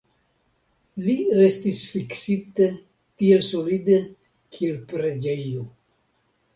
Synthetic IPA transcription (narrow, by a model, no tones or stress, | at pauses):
liɾe̞stisfiksite | tie̞lso̞lide | kʰie̞lpɾe̞d͡ʒe̞jo